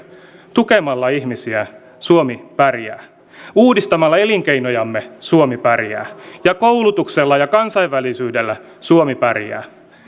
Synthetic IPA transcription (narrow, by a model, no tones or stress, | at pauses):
t̪ukemɑlːɑihmisiæ | suomipærjæ̰ː | uːdist̪ɑmɑlːɑe̞liŋke̞ino̞jɑmːesuomipæɾjæ̰ːjɑkowlut̪ukselːɑjɑkɑnsɑiʋːælisyːdelːæ | suomipæriæ̰ː